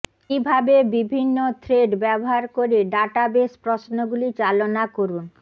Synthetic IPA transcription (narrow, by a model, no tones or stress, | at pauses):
kibʱabebibʱinːot̪ʰɾeɖbɛboɦaɾkoɾeɖaʈabespɾosnoɡulit͡ɕalonakoɾun